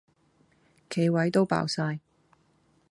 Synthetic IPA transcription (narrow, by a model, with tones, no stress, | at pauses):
kʰe˨˧jwɐ˨˥jt̪o˥wpa̰ː˨wsaː˧j